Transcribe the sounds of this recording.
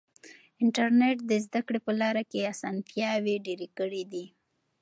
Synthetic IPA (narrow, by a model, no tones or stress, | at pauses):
ɪɳʈaɾneʈ̚d̪əzd̪akɽepəlɑɾakeasɑnfjɑweɖeɾekəɽid̪i